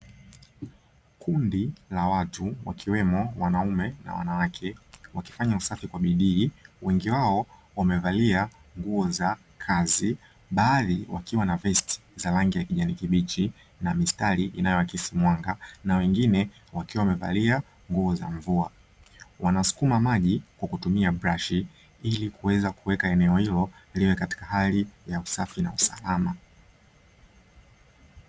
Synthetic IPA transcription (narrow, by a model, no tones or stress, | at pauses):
kʰundilawatuwa̰kʰiwɛmɔwanaumɛna̰wa̰nawakʰɛwaki̥faɲausafikwaɓiɗiːwɛŋɡiwaɔ | wamɛvaliaŋɡuɔza | kʰazi | ɓaːðiwakiwanavɛsti̥zalaŋɡijakiʄanikiɓit͡ʃi | namistaliʔinajɔwakisimwaŋɡanawɛŋɡinɛ | wakiwawmɛva̰lia | ŋɡuɔza̰ɱvua | wanasu̥kumamaʄikwakutumiabɾaʃi | ilikuwɛzakuwɛkaɛnɛɔhilɔliwɛkati̥kahalijausafina̰usa̰lama